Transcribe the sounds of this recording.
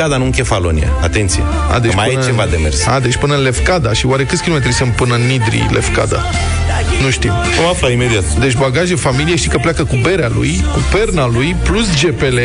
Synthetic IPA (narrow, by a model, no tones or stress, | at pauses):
ad̪anuɨŋkʲefalo̰nḭa̰a̰t̪e̞nt̪sijḛ | a̰d̪et͡ʃmajpɨnt͡ʃevad̪emersa̰d̪e̞t͡ʃʲpɨnəɨnle̞fkad̪aʃiwaɾe̞kɨt̪sʲkʲilomet̪ɾisempɨnənːid̪ɾḭle̞fka̰d̪a̰ | nuʃt̪im | omaflaimed̪iat̪d̪e̞t͡ʃʲbaɡaʒefamilieʃt̪ikəpleakəkube̞ɾealṵj | kupe̞rnalujplusd͡ʒe̞pe̞le